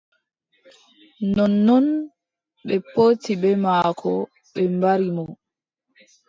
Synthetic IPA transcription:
nɔnːɔn | ɓɛpoːtiɓɛmaːkʰɔ | ɓɛmbaɾimɔ

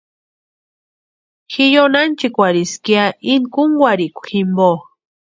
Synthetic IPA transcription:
xijonant͡ʃikʷaɾiskiainkuŋɡwʷaɾikʷximbo

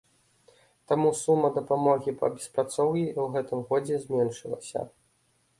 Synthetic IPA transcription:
t̪amusumːɐd̪ɐpamɔɣʲipɐ̰bʲɛspɾat̪sɔwjʲiwɣɛt̪ɨmɣɔd͡zʲɛzʲmʲɛnʂɨlˠɐ̰sʲɐ̰

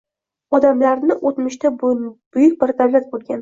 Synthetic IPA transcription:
ɒd̪amlaɾnɪʔot̪mɪʃt̪ab̥ʊjʊkʲbɪɾd̪awlat̪̚bolˠɡʲan

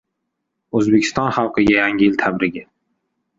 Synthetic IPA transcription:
ɵzbekʲʰɪ̥st̪ɒnχɑlˠqʰɨɡʲajaŋʲɪɪlt̪ʰabɾɪɡʲɪ

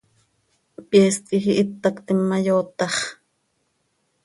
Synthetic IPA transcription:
pʼjɛːst̪ixiʔɪt̪ːɑkt̪imːɑjoːt̪ɑχ

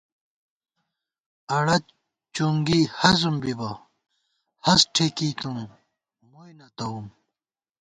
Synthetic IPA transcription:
ɐɽɐ | t͡ɕuŋɡiːhɐzumbibɐ | hɐsʈʰekiːkum | mujnɐt̪ɐum

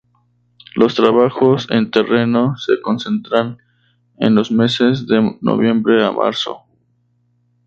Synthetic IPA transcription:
lo̞st̪ɾaβaxosḛnt̪ere̞noseko̞nsent̪ɾan | ḛnlo̞zme̞sezðeno̰βjẽ̞mbɾe̞a̰mʔa̰ɾso̰

